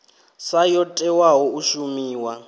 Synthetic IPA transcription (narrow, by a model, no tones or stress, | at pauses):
sajɔtʼɛwaɦɔuʃumiːwa